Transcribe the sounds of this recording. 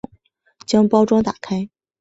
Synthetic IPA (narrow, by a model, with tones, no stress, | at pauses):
ŋ | t͡ɕjɑ˥ŋpɑ˥ʊʈ͡ʂwɑ˥ŋt̪a̰˨˩kʰa˥ɪ